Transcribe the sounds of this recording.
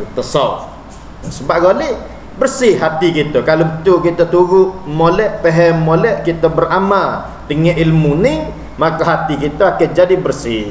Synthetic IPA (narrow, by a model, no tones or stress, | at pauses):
t̪əsaf | səbaʔ̚ɡoli | bərsɪhɦat̪ikit̪əkalobət̪ukit̪ət̪uɡʊʔmolɛʔpeɦɛmːolɛʔkit̪əbəramal | t̪əŋɛʔilmuni | makaɦat̪ikit̪əakənd͡ʒadibərsɪ